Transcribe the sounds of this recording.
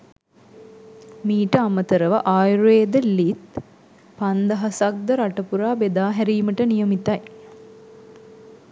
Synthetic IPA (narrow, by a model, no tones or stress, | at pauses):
miːʈəamət̪əɾəʋɐʔaːjɾeːd̪əlit̪ | pand̪ɐɦɐsak̚d̪əɾaʈɐpuɾaːbed̪aːɦɛɾiːməʈənijəmit̪aj